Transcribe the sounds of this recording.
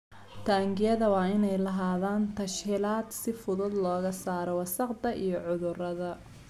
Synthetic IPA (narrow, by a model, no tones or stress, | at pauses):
t̪ʰaːŋɡɪjɐðɐwɑːɪnɛjlɐɦaːðaːnt̪ʰɐʃhiːlaːd̪sɪfʊðʊd̪lɔːɣɐsaːɾɔwɐsɐqd̪ɐʔijɞʕʊðʊrɐðɐ